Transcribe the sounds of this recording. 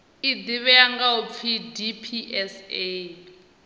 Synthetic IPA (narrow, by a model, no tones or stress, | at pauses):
id̪iβɛjaŋɡaup̪fʰidipʰiʔɛse